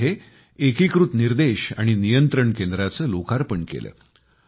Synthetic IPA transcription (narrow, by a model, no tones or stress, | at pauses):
eː | kikɾut̪niɾd̪eɕa̰ɽ̃inijənt̪ɾəɳkend̪ɾat͡səːlokaɾpəɳkḛlə̰ː